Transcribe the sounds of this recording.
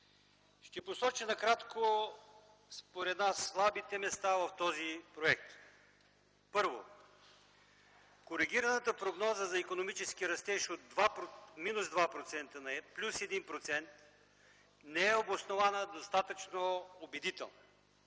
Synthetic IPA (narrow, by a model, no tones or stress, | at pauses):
ʃt̪ɛposɔt͡ʃinɐkɾat̪kʰo | spoɾɛd̪nasːlˠabit̪ɛmɛst̪avɐft̪ɔzipɾoɛk̚t̪ | pɤɾvo̰ | koɾiɡ̟ʲiɾənət̪əpɾoɡnɔzəzɐikonomit͡ʃɛsk̟iɾɐst̪ɛʃod̪vapminuzd̪vapɾot̪sɛnt̪ənɐɛplʲusɛd̪inpɾot̪sɛnt̪ | nɛɛobosnovanəd̪ost̪at̪ət͡ʃnoobɛd̪it̪ɛ̰lˠno